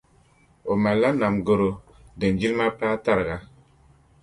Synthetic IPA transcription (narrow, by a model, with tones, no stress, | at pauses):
o˨ma˨la˦na˨mɡo˨ɾo˨ | de˨nd͡ʒi˦lma˦pa˦ta˦ɾɡa˦